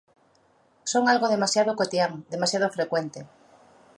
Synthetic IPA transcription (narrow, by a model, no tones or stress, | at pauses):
soŋalɣoðemasjaðokot̪iaŋd̪emasjað̞ofɾekwent̪e